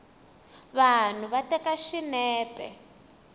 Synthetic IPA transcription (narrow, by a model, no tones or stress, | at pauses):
βan̤uβatɛkaʃinɛːpɛ̰